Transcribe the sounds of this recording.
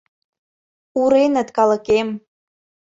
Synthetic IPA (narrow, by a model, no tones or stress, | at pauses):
uɾenət̪kɑləkem